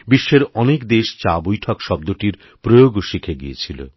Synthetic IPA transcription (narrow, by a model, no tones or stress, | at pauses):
biʃːeɾɔnekd̪eʃt͡ɕabojʈʰɔkʃɔb̚d̪oʈiɾ | pɾojoɡoʃikʰeɡḭet͡ɕʰilo̰